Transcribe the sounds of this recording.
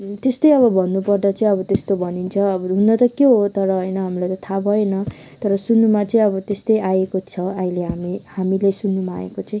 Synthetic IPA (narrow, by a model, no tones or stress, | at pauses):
t̪est̪ʌjʌβʌbʱʌnːupʌrd̪at͡sʌĩʌbʌt̪est̪obʱʌnint͡sʰʌːbʌɦunːʌt̪ʌkjeɦot̪ʌɾʌɦʌjnʌɦamilajt̪ʌt̪ʰabʱʌenʌ | t̪ʌɾʌsunːumat͡sʌĩʌβʌt̪est̪ʌjajekot͡sʰʌaɦileɦamihamilesunːumaa̰ːḛkot͡sʌĩ